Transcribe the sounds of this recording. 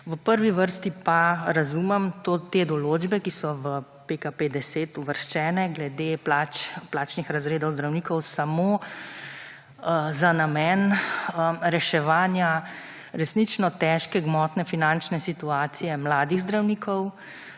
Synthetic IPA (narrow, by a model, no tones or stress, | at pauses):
ʋəpəɾʋiʋəɾst̪ipaɾazumɛmt̪ot̪eːd̪ɔloːd͡ʒbɛkisɔʋə | pekaped̪ɛseːt̪uʋəɾʃt͡ʃɛːnɛɡlɛd̪eːplat͡ʃplaːt͡ʃnixɾazɾeːd̪ɔwzd̪ɾawnikɔwsamoː | zanamɛn | ɾɛʃɛʋaːnja | ɾɛsnit͡ʃnɔt̪ɛʃkɛɡmɔt̪nɛfinant͡ʃnɛsit̪uaːt̪sijɛmlaːd̪iɣzd̪ɾawniːkʰɔw